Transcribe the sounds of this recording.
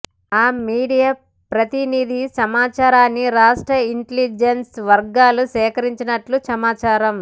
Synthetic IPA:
aːmiːɽijaː | pɾɐt̪inid̪ʱisɐmaːt͡ʃaːɾaːnːiɾaːʂʈɾɐiɳʈelid͡ʒensʋɐɾɡaːlusɛːkɐɾiɲt͡ʃinɐʈlusɐmaːt͡ʃaːɾɐm

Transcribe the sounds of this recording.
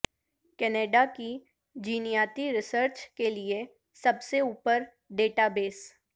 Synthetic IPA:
kɛːneːɖaki | d͡ʒiːnijaːt̪iɾɪsəɾt͡ʃkelie | sɐbseuːpəɾ | ɖeːʈabeːs

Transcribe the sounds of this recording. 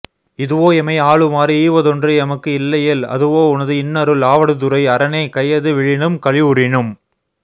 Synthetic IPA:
ɪðɯʋoːɛmɐɪaːɭɯmaːɾiiːʋɐðɔndrɯɐmɐkːɯɪlːɐjɛlɐ̰ðɯʋoːʊnɐðɯɪnːɐɾɯlaːʋɐɽɯt̪ːʊɾɐɪɐɾɐnɐɪkɐjɐðɯʋɪɻɪnɯmkɐɻɪʊɾɪɳɯm

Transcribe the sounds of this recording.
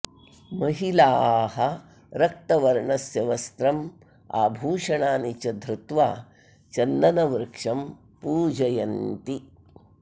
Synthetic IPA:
mɐɦilaːɦɐ | ɾɐk̚t̪ɐʋɐɾɳɐsjɐʋɐst̪ɾɐm | a̰ːbʱuːʂɐɳaːnit͡ʃɐd̪ɾut̪ʋaː | t͡ʃɐnd̪ɐnɐʋɾkʂɐm | puːd͡ʒɐjɐnt̪i

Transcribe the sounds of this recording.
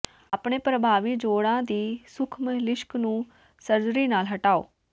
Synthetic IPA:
aːpɳeːpɾəbʱaːʋiːd͡ʒoːɽãːd̪iːsʊkʰmlɪʃknũː | səɾd̪ɾiːnaːlɦəʈaːo̰ː

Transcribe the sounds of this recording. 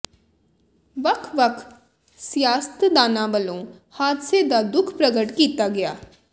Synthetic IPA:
ʋəkʰʋəkʰ | sjaːst̪d̪aːnãːʋəlõː | haːd̪seːd̪aːd̪ʊkʰpɾəɡəʈkiːt̪aːɡɪjaː

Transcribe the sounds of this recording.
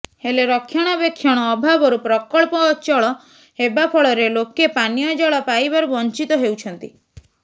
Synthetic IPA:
heleɾɔkʰːjaɽ̃ɔbjekʰjɔɽ̃ɔːbʱabɔɾupɾɔkɔɭpɔːt͡ʃɔɭɔ | hebapʰɔɭɔɾelokepanijɔd͡ʒɔɭɔpajbaɾubɔnt͡ʃit̪ɔɦewt͡ʃʰɔnt̪i

